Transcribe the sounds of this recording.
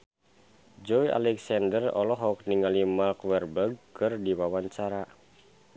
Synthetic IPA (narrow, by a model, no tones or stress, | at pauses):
d͡ʒɔjʔa̰lɛksandərɔ̰lɔɦɔk̚niŋalimalkwɛrbəɡ̚kɨrdiwawaɲt͡ʃaɾa